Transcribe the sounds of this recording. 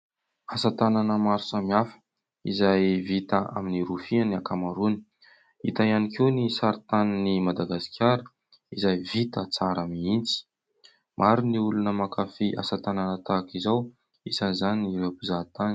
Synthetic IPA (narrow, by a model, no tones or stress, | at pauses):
asat̪ananəmaɾusamiafə̥ | izajvit̪əa̰miniɾufianiakamaɾuni̥ | it̪ajanikenisaɾt̪aninimad̪aɡasi̥kʲjaɾə | izajvit̪ət͡saɾamiint͡si̥ | mʔaɾiniulunəmakafiʔa̰sat̪ananət̪akizaw | isanizaniniɾewapizat̪ani